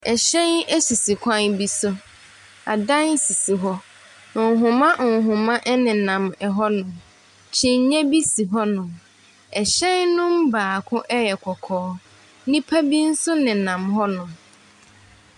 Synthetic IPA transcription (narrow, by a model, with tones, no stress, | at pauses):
ɛ˨ɕɛ̃˦nɛ˦si˨si˨kʷʰã˦nbi˦sʊ˦ | a̰˨dã˦n˦si˨si˨ɦɔ˦ | nʊ̃˨ŋ˨ɦʊ̃˨mã˦ʔʊ˨ɦʊ̃˨mã˦ʔɛ˦nɪ̃˨nã˨mɛ˨ɦɔ˦nʊ̃˨m | t͡ɕʰɪ̃˦ɲ̩˨ɲɛ̃˦bi˦si˨ɦɔ˦nʊ̃˨m | ɛ˨ɕɛ̃˦nnʊ̃˦mbaː˨kʰʊ̃˦ʔɛ˦jɛ˨kʰɔ˨kʰɔː˦ | nĩ˦pʰa˦bi˦n̩˦sʊ˦nɪ̃˨nã˨mɦɔ˦nʊ̃˨